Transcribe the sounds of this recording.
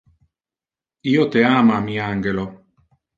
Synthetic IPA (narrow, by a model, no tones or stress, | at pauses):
iot̪eamamiaŋɡelo